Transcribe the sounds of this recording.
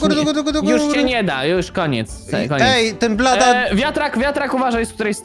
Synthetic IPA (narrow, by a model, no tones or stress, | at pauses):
ɡuɾd̪uɡt̪ɡɔt̪ujuʂt͡ɕɛɲɛd̪ajuʂkɔɲɛ̰t̪sɛ̰kːɔɲɛɛjt̪ɪnplat̪ɔnvʲjat̪ɾakvʲjat̪ɾakuvaʐajɛsk̚t̪uɾɛjs